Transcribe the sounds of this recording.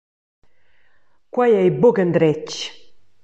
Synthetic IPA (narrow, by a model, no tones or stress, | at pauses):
kwajɛjboɡənd̪ɾɛt͡ʃ